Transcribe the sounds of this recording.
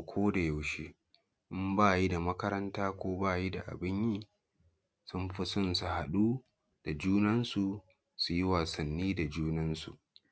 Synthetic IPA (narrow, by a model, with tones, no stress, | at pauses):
kʷʰoː˦da˨ja˨wʃeː˦ | ʔɪ˦mbaː˦ji˦da˨mɐ˦kɐ˦ɾɐ˦ntaː˦kʷoː˦baː˦˨ji˦da˨ʔa̰˨bɪ˦ɲjiː˦ | sʊ˦mɸɪ˦sʊ˦nsu˨ha˨ɗuː˦ | d̥a˨d͡ʒuː˦nɐ˦nsu˨ | su˨ji˦waː˨sɐ˨nːiː˦da˨d͡ʒuː˦nɐ˦nsṵ˨ʔ